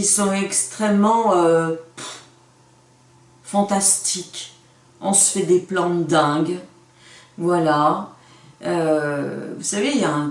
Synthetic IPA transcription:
isɔ̃ɛkst̪χɛmːɑ̃ø | fɑ̃t̪ast̪ik | ɔ̃sə̥fɛd̪eplɑ̃t̪d̪ɛ̃ɡ | vwala | ø | vusaveljaɛ̃

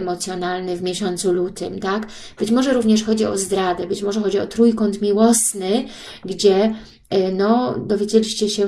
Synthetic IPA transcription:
mɔt̪sʲjɔnalnɘvmʲjɛɕɔnt̪sulut̪ɘ̰mt̪ak | b̥ɘt͡ɕmɔʐɛɾuvɲɛʂxɔd͡ʑiɔ̰zd̪ɾad̪ɛbɘt͡ɕmɔʐɛxɔd͡ʑiɔ̰t̪ɾujkɔnt̪mʲiwɔsnɘ | ɡd͡ʑɛ | nɔd̪ɔvʲjed͡ʑelʲiɕt͡ɕɛɕɛ

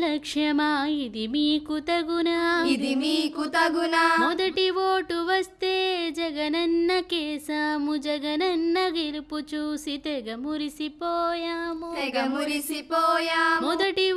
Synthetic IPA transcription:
lɐkʂɐmaːid̪imiːkut̪ɐɡunaːid̪imiːkut̪ɐɡunamɔd̪ɐʈiʋoːʈuʋɐst̪eːd͡ʒɐɡɐnɐnːɐkeːsaːmud͡ʒɐɡɐnɐnːɐɡiɾput͡ʃusit̪eɡɐmuɾisipoːjaːmuɛɡɐmuɾisipoːjaːmmɔd̪ɐʈi

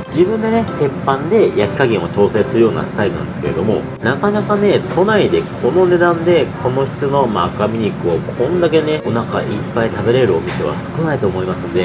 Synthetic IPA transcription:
d͡ʑibɯ̟̃nd̪e̞ne̞h̪e̞pːãnd̪e̞jakʲi̥kaɡʲẽɰ̃o̞t͡ɕo̞ːse̞sɨɾɯ̟jo̞ːna̰sɨ̥t̪aiɾonã̰nd̪eske̞ɾe̞d̪o̞mo̞̰ | nakanakane̞t̪ʰo̞naid̪e̞kʰo̞no̞ne̞d̪ãnd̪e̞kʰo̞no̞çi̥t͡sɨno̞ma̰kamʲiɲikɯ̟o̞kʰõ̞nd̪ak̬e̞ne̞o̞naka̰ʔipːait̪abe̞ɾe̞ɾɯ̟o̞mʲise̞βa̰sɨ̥kɯ̟nait̪o̞ːmo̞imasɨ̃nd̪e̞

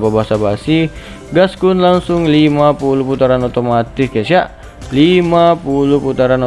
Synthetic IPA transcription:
pabaɦasabasih | ɡaskʊnlaŋsʊŋlimapulʊhput̪aɾanot̪omat̪ɪskasiaʔ | limapulʊhput̪aɾano

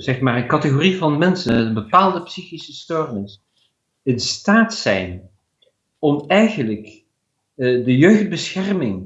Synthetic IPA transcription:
zɛχmaːrənkɑtəχorivɑnmɛnsənənbəpaːlˠdəpsiχisəstɔrmɪs | ənstaːtsɛ̰jn | ɔmɛjχənlək | dəjøɥχd̚bəsχɛrmɪŋ

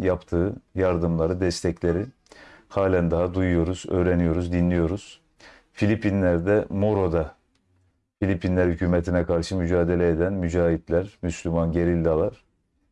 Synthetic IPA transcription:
japt̪ʰɯːjaɾd̪ɯmlˠaɾɯd̪ɛst̪ʰɛclʲe̞ɾi | haːlʲænd̪aɦad̪ujujo̞ɾuz̥ø̞̰ːɾenijo̞ɾuzd̪inlʲijo̞ɾuz̥ | filʲipʰinlʲæɾd̪ɛmo̞ɾo̞d̪a | filʲipʰinlʲæɾhycʰyːmet̪ʰinɛkʰaɾʃɯmyd͡ʒaːd̪e̞lʲɛed̪ænmyd͡ʒaːɦit̪lʲæɾmyslʲymanɟe̞ɾilʲd̪alˠaɾ̥

